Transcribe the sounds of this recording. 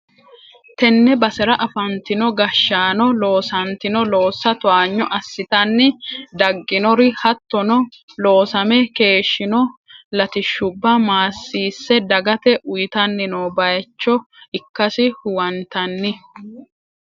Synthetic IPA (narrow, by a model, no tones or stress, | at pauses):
t̪ɛnːɛbɐsɛɾɐʔɐfɐnt̪ɪnɔɡɐʃːaːnɔlo̞ːsɐnt̪ɪnɔlo̞ːsːɐt̪ʊaːɲːɔʔɐsːɪt̪ɐnːɪd̪ɐɡːɪnɔɾɪhɐt̪ːɔnɔ | lo̞ːsɐmɛke̞ːʃːɪnɔlɐt̪ɪʃːʊbːɐmaːsːiːsːɛd̪ɐɡɐt̪ɛʔʊjɪt̪ɐnːɪnoːbɐjt͡ʃːɔɪkːɐsɪhʊwɐnt̪ɐnːɪ